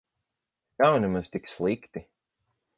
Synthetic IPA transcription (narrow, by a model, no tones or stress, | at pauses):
kawnimazt̪ikslˠikt̪i